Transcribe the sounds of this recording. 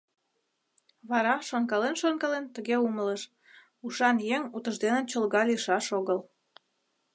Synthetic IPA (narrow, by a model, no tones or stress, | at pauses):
βɑɾɑʃoŋkɑlenʃoŋkɑlent̪əɣeumələʃ | uʃɑnjeŋut̪əʒd̪enə̆nt͡ɕəlɣɑliʃɑʃoɣəl